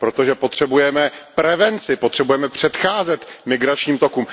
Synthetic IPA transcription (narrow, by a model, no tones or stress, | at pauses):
pɾo̞t̪oʒɛpo̞t̪r̝̥ɛbujɛmɛpɾɛvɛnt͡sɪpot̪r̥ɛbujɛmɛpr̝̥ɛt̪xaːzɛt̪mɪɡɾat͡ʃɲiːmt̪o̞kuːm